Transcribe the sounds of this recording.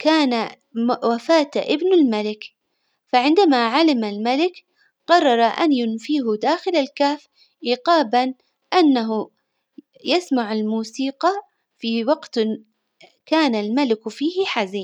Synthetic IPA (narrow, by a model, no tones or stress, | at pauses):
kaːna | wafaːt̪aʔɪbnalmalɪk | faʕɪnd̪amaʕalɪmalmalɪk | qɑrˤːɑɾˤɑʔa̰njʊnfiːɦʊd̪aːxɪlalkaːf | ʔiːqɑːban | ʔanːaɦʊ | jasmaʕalmuːsiːqɑ | fiwɑɡt̪ | kaːnalmalɪkfiːhɪħaziːn